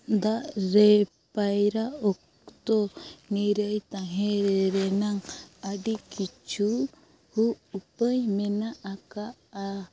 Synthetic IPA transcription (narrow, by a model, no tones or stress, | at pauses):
d̪aɾe | pajɾaɔk | t̪oniɾəjt̪aɦeɾɾenaŋaɖikit͡ʃu | huːpəjmenaʔːkaː